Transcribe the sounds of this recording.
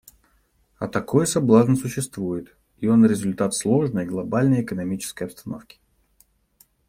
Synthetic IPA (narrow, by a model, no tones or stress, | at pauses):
ɐt̪ɐko̞jsɐblˠaznəsʊɕːɪst̪vujɪt̪ | io̞nɾʲɪzʊlʲt̪at̪slˠo̞ʐnəjɡlˠɐbalʲnəjɪkənɐmʲit͡ɕɪ̥skəjɐpst̪ɐnofkʲɪ̥